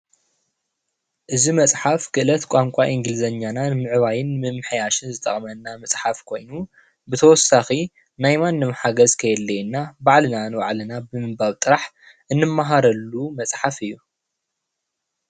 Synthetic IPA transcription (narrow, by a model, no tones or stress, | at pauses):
ʔɨzimɐt͡sʼħafkʰɨʔɨlɐt̪kʷʼamkʷʼaʔiŋɡɨlzɐɲːananmɨʕβajɪnmɨmːɨħjaʃɨnzɨt̪ʼɐχʼmɐnːamɐt͡sʼħafkʰo̞jnu | bɨt̪ʰɐwɔsaxi | najmanːɨmħaɡɐzkʰɐjɛlːɐjnːabaʕlɨnanɨwa̰ʕlɨnabɨmɨbaβt̪ʼɨɾaħ | ʔɨnːɨmːaɦaɾɐlːumɐt͡sʼħafɨjːu